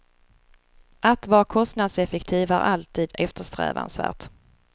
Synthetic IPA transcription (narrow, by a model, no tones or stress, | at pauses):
ʔat̪vɑːkʰɔst̪nad̪sɛfɛkt̪ʰiːvæɾʔalt̪ʰiːd̪ɛft̪əʂt̪ɾɛ̰ːva̰nsvæ̰ːʈ̪